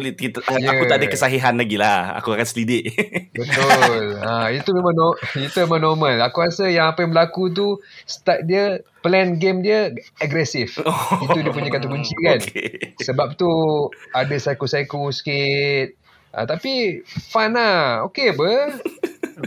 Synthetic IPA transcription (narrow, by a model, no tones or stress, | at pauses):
lit̪jaauaʔadəkəsaɦiɦanlaɡilaha̰kuakansəlidɪʔbət̪ʊlait̪umẽmãŋnɔit̪umemãnɔmə̃lakuɾasəjaŋapajãŋbəlakut̪̬usə̥t̪at̪̚diəplɛnɡemdiəaɡɾɛsifit̪udiəp̬uɲakant̪̬ubuɲt͡ʃikansəbap̚t̪uadəsajkosajkosə̥kit̪̚ | ʔə̰t̪apifanaokebə